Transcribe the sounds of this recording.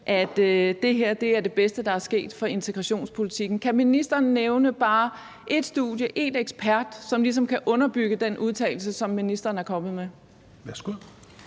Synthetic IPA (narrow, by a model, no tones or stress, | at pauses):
ʔæd̥e̝ɦeɐ̰d̥e̝æɐd̥e̝b̥esd̥əd̥ɑ̈æɐsɡ̥e̝̰ːd̥fɒ̽e̝nt͡sʰeɡ̥ʁɑɕo̝̰ːnspʰo̝lit͡sʰiɡ̥n̩kʰæminisd̥ɐːnːeʊnəb̥ɑ̈ː | ʔe̝d̥sd̥ṵðˠjəʔe̝neɡ̥sb̥ʰæɐd̥sɒ̽mlis̬ɒ̽mkʰæʔɔ̽nɐb̥yɡ̥əd̥enuðˠt͡sʰɛ̰ɪl̩səsɒ̽mːinisd̥ɐːn̩æɐkʰɒ̽mð̞̩ˠme | ʋæsɡ̥u